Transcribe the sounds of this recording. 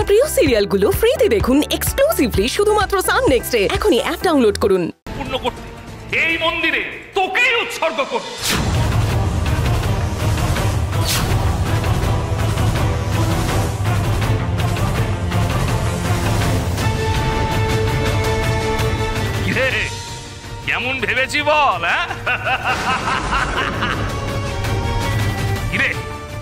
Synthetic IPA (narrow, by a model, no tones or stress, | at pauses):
pɾiosiɾialɡulofɾid̪id̪ekʰuneksklusibliʃud̪ʱumat̪ːɾosanneksʈeɛkʰoniʔɛp̚ɖawnloɖkoɾun | puɾnokoe | ejmond̪iɾe | t̪okejut̪ʃoɾɡʱokoɾ | ɡiɾe | kɛmonbʱebet͡ɕʰibɔlɛ | kiɾe